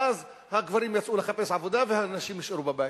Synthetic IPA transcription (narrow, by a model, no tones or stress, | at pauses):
az | haɡvaɾimjat͡sʔuleχape̞sʕavo̞d̪avehanaʃimjiʃeɾubabajt